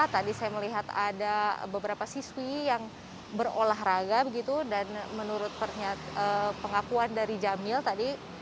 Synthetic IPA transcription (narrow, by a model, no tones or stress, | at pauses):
t̪adisajaməliɦat̪a̰dabəbəɾapasiswijaŋ | bərolaɦɾaɡabəɡit̪udanmənuɾʊt̪̚pərɲatəpəŋakuandaɾid͡ʒamɪlt̪adi